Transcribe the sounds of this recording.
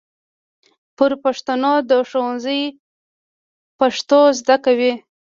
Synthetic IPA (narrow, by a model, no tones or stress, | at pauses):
pəɾpaʂt̪anod̪əʂowanzəj | paʂt̪ozd̪akawi